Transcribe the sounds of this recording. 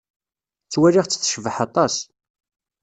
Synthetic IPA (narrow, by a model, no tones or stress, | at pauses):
t͡sːwæliʁt͡sːə̥θːʃvəħɑt̪ˤɑs